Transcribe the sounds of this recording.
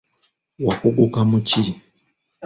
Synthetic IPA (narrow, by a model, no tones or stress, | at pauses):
wakukukamut͡ʃi